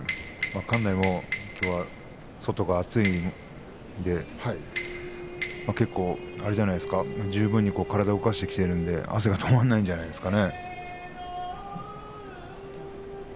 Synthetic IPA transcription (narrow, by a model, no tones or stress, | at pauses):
makãnːaimokʲo̞ːβa | so̞t̪o̞ɡaːt͡sɨim | d̪e̞hai | make̞kːo̞ːaɾe̞ʑanaid̪esɨ̥kamad͡ʑɨːbɯ̟̃ɲ̟ːiko̞ːkaɾad̪aokaɕi̥t̪e̞kʲi̥t̪e̞ɾɯ̟̃nd̪e̞̰a̰s̬e̞ɡat̪ʰo̞mãnːaĩɲd͡ʑanaid̪e̞sɨ̥kane̞